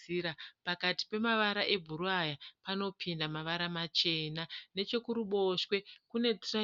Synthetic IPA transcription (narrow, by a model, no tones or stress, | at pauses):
iɾapakati̥pe̞maʋaɾaʔe̞bʱuɾuajapano̞pʰindamaʋaɾamat͡ʃe̞ːnane̞t͡ʃe̞kuɾuɓo̞ʃwe̞kune̞tra